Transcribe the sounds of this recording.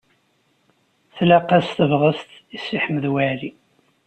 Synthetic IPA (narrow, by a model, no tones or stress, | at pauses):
θlæqæst̪əvʁəst̪isːiħməðwali